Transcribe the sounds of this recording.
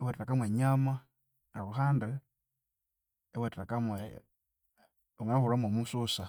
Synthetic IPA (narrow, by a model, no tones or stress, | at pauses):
ewetɾakamweɲama | nauɦaːnde | ewatɾakamwe | uŋanahuɾamwomususa